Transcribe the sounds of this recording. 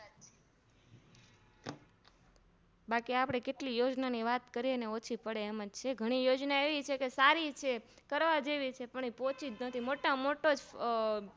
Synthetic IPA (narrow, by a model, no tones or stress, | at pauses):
bakiapɽ̃ekeʈlijod͡ʒnaniʋat̪kəɾiəneot͡ʃʰipəɽeːmad͡ʒt͡ʃʰeɡʱəɽ̃ijod͡ʒnaeʋit͡ʃʰekesaɾit͡ʃʰe | kəɾʋad͡ʒeʋit͡ʃʰepəɳ̃ipot͡ʃid͡ʒnət̪ʰimoʈamoʈod͡ʒ